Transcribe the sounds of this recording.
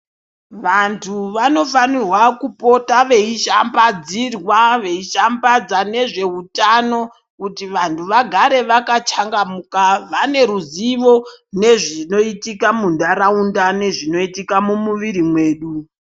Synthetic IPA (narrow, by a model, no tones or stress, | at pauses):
ʋantʰuʋano̞fanirwakupo̞taʋe̞iʃambad͡zirwaʋe̞iʃambad͡zane̞ʐe̞utano̞ | kutiʋantʰuʋaɡʱaɾe̞ʋakat͡ʃaŋɡamukaʋane̞ɾuziʋo̞ne̞ʐino̞itikamundaɾaundane̞ʐino̞itikamumuʋiɾimwe̞ːɗu